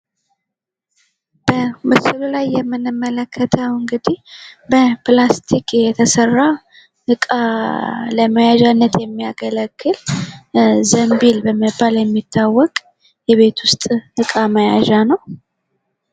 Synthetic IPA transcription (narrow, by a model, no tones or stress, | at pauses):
bəmɨsɨlulajːɛmːɨnɨmːələkʰːət̪ʰəwɨŋɡɨd̪ihbəplast̪ʰikʰjɛt̪ʰəsərːa | ɨkʼa | ləməjaʒanːət̪jɛmːijaɡələkːɨl | zəmbilbəməbaljɛmːit̪ʰːawːɔkʼ | jɛβe̞t̪wʊst̪ʼhɨkʼaməja̰ʒanəw